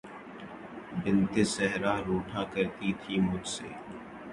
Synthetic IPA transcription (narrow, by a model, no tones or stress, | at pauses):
bɪnt̪esɛɦɾaːɾoːʈʰaːkəɾt̪it̪ʰiːmʊd͡ʒseː